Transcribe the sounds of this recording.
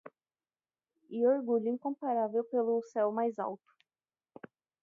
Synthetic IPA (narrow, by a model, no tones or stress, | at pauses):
ɪoɾɡuʎʊĩŋkõmpaɾavewpelʊsɛwmajza̰wt̪ʊ̥